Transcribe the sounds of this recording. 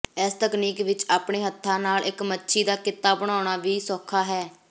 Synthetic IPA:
ɪst̪əkniːkʋɪt͡ʃaːpɳeːɦət̪ʰːaːnaːlʔɪkmətːʃʰiːd̪aːkɪt̪ːaːbəɽ̃aːʊɽ̃aːʋiːsɔːkʰːaːɦɛː

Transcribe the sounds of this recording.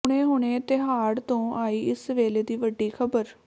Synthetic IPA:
ʊɽ̃eːɦʊɳ̃eːt̪ɪɦaːɽt̪õːʔaːiːɪsʋeːleːd̪iːʋəɖːiːkʰəbəɾ

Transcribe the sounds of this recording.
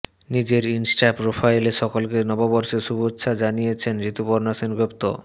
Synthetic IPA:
nid͡ʑeɾinsʈapɾopʰajleʃɔkolkenɔbabɔɾʃeʃubotːɕʰad͡ʑanijet͡ɕʰenɾit̪upoɾnasinɡɾopt̪o̰

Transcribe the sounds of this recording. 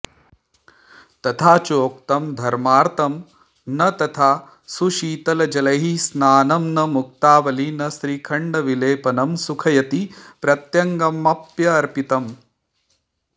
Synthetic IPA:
t̪ɐt̪ʰaːt͡ʃoːk̚t̪ɐmd̪ʱɐɾmaːɾt̪ɐm | nɐt̪ɐt̪ʰaː | suʃiːt̪ɐlɐd͡ʒɐlɐɦisnaːnɐmnɐmuk̚t̪aːʋɐlinɐsɾiːkʰɐɳɖɐʋileːpɐnɐmsukʰɐjɐt̪ipɾɐt̪jɐŋɡɐmɐpjɐːɾpit̪ɐm

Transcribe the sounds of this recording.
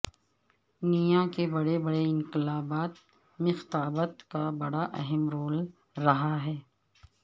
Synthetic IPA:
nijãkebɐɽebɐɽeɪ̃nkɪlaːbaːt̪ | mẽxɪ̥t̪aːbət̪kabɐɽaʔɐɦɛmɾoːl | ɾɐɦaɦɛː

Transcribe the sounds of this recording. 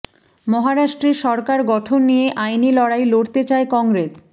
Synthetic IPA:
mɔɦaɾaʃʈɾeɾʃɔɾkaɾɡɔʈʰonːijeʔajnilɔɽajloɽt̪et͡ɕaekɔŋɡɾes

